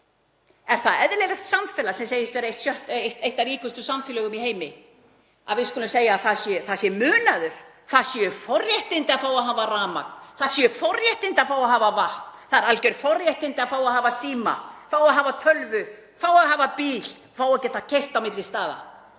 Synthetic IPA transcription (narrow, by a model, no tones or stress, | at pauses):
ɛɾ̥θaðɛðlɛɾaht̪samfɛːlasɛmseːjɪst̪vɛɾaejht̪sjœht̪eht̪ejht̪aɾiːkʏst̪ʏsamfɪlœɣʏmiheːjmɪ | a̰ðvɪðskʏlʏmseːjaθasjɛθasjɛmʏːnaðʏɾ̥ | θaðsjɛfɔrjɛht̪ɪnt̪ɪafaːwaðɦaːvaraːma̰k̚nθaðsjɛfɔrjɛht̪ɪnt̪afaːwaɦaːvavaht̪n̥θaðɛɾalcœjɾ̥fɔrjɛht̪ɪnt̪ɪafaːwaɦaːvasiːma̰faːwaɦaːvat̪ʰœlvʏ | faːwaðɦaːvapiːl | faːwacɛːt̪acʰejht̪awmɪt̪lɪst̪aːða̰